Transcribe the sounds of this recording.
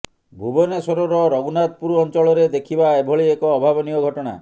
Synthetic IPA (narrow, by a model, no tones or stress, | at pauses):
bʱubɔnesɔɾɔɾɔɾɔɡunat̪̚puɾuɔnt͡ʃɔɭɔɾed̪ekʰibaebʱɔɭiekɔːbʱabɔniɔɡʱɔʈɔɽ̃a̰